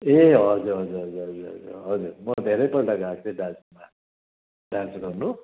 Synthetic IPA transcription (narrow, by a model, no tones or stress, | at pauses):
eɦʌd͡zuɾɦʌd͡zuɾɦʌd͡zuɾɦʌd͡zuɾɦʌ̰d͡zṵrɦʌd͡zuɾmʌd̪ʱeɾʌjpʌlʈaɡakt͡sʰẽɖãsuma | ɖãnt͡sɡʌrnu